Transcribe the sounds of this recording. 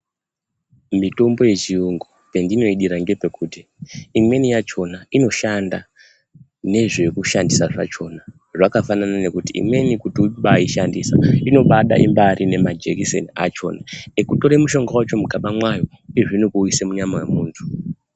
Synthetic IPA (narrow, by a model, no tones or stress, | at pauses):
mito̞mbo̞je̞t͡ʃiuŋɡope̞ndino̞iɗiɾaŋɡe̞pe̞kuːtiːmwe̞nijat͡ʃo̞naino̞ʃanda̰ | ne̞ʐe̞kuʃandisaʐa̰t͡ʃo̞na | ʐakafananane̞kutiḭmwe̞nikutiuɓaiʃandisaino̞ɓaɗa̰ʔimbaɾʔine̞mad͡ʒekisḛnia̰t͡ʃo̞̰nanekuto̞ɾemuʃo̞ŋɡawat͡ʃo̞muɡʱaɓamwajo̞ | eʐinikuisemuɲamawḛmuːntʰu̥